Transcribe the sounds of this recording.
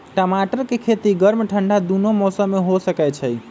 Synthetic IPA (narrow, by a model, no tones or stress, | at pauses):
ʈəmaʈəɾkekʰet̪iɡəɾmeʈʰəɳɖʱad̪unomɔsəmːeɦosəkɛt͡ʃʰəj